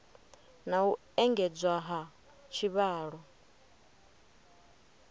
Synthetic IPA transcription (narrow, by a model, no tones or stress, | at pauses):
nau | ɛŋɡɛd͡zwaɦa | t͡ʃʰiβaːɺɔ